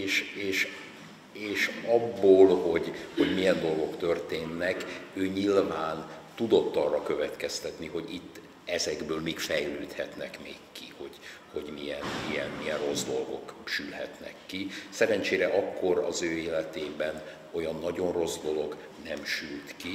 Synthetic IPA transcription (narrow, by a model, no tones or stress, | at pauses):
eːʃeːʃ | eːʃɒbːoːlho̞ɟho̞ɟmijɛnd̪o̞lɡo̞kt̪ø̞rt̪eːnːɛkøːɲilvaːnt̪ud̪o̞t̪ːɒrːɒkø̞vɛt̪kɛst̪ɛt̪niɦo̞ɟit̪ː | ɛzɛɡbøːlmiːkfɛjløːt̪hɛt̪nɛkmeːkːiho̞ɟ̥ | ho̞̰ɟmijɛnijɛnmijɛnro̞zd̪o̞lɡo̞̰kʃylhɛ̰t̪nɛ̰kːisɛɾɛnt͡ʃeːɾɛʔɒkːo̞ɾɒ̰zøːeːlɛt̪eːbɛn | o̞jɒnːɒɟo̞nro̞zd̪o̞lo̞ɡ | nɛmʃylt̪ki